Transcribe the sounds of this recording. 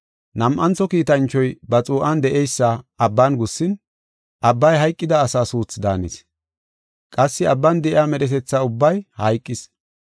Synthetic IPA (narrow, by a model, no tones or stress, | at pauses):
nɐmʔɐnt͡sɔkiːt̪ɐnt͡ʃːɔjbɐt͡sʼuːʔɐnd̪ɛʔɛjsːɐːbːɐnɡʊsːɪn | ʔɐbːɐjɦɐjkʼːɪd̪ɐːsaːsuːt͡sːd̪a̰ːnis | kʼɐsːɪɐbːɐnd̪ɛʔɪaːmɛɾɛt̪ɛt͡sːɐʊbːɐjhɐjkʼːɪs